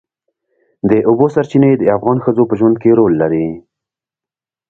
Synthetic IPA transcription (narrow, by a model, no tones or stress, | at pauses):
d̪əʔʊbosaɾt͡ʃined̪əafɣɑnxəd͡zopəʒwand̪̚keɾolːaɾi